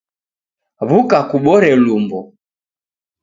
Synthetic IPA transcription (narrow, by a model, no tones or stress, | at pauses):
βukakuɓɔɾɛlumbɔ